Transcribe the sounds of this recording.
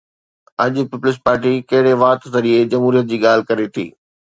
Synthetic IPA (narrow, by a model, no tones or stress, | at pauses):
ɐʄʊpɪpʊlɪs̬paːɾʈikɐɦɪɽeʋaːt̪t̪ɐɾied͡ʑɐmɦuːɾijət̪̚d͡ʑiːɠaːl̤ɪkɐɾet̪ʰḭː